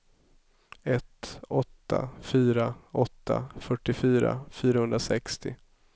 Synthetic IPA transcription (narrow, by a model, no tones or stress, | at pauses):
ɛt̪ɔt̪ʰːa̰fyːɾaɔt̪ʰːa̰fœʈːɪfyːɾa̰fyːɾahɵnd̪ɾasɛkst̪ɪ